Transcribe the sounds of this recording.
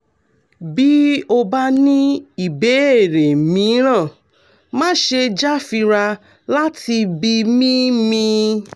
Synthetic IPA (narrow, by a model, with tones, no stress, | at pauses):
bi˦o˧ba˦nĩ˦i˦˨be˨˦e˦˨ɾe˨mĩ˨˦ɾ̃ã˦˨ | mã˦ʃe˧d͡ʒa˦fi˧ɾa˧ | la˦ti˧bi˧mĩ˦mĩ˧